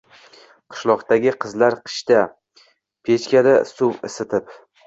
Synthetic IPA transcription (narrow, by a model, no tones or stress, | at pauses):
qʰɨ̥ʃlˠɒqt̪aɡʲɪqʰɨzlaɾqʰɨ̥ʃt̪a | pʰet͡ʃkʲad̪asʊwɪsɪt̪ʰɪp